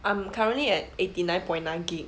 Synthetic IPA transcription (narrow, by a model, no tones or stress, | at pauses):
ʔãmkʰaɹə̃nʔliɛt̚etinãɪ̃npɔ̃ɪj̃nːãɪ̃nɡik